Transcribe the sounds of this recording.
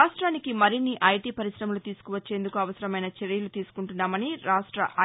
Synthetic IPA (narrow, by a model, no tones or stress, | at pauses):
aːʂʈɾaːnikimɐɾinːiʔɐjʈiːpɐɾisɾɐmɐlut̪iːsu̥kuʋɐt͡ʃːe̞ːnd̪ukuɐʋɐsɐɾɐmɐjnɐt͡ʃeɾijɐlut̪iːsu̥kuɳʈunːaːmɐniɾaːʂʈɾɐ̰ʔɐ